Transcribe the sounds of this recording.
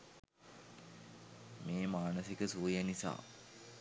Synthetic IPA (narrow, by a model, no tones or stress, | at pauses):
meːmaːnəsikəsuːjenisa̰ː